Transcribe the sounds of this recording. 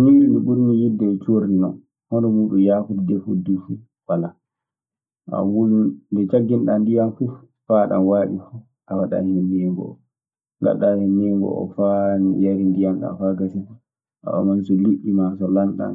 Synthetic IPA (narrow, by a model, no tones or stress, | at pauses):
miːɗuniɓuɾnijidːɛɛt͡ʃoɾdinɔ̰n | hɔnɔmuːɗumjaːkutdɛfudufu | wala | ʔa̰wulundɛt͡ʃaɡːinɗandijamfu | faɗa̰nwaːɓifu | ʔawaɗa̰hɛnːɛŋɡɔ̰ɔ | ŋɡa̰ɗahɛmɛŋɡɔ̰ʔɔ̰fajaɾindijamɗa̰faɡasifu | ʔa̰ɔ̰mansɔliʔimasɔlanɗa̰n